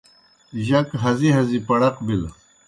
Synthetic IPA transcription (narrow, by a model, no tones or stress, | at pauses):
ʑɐkɦɐziɦɐzipɐɽɐqbil